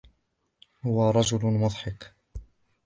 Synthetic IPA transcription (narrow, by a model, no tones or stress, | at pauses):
hʊwaɾˤɑd͡ʒʊlmʊðˤħɑq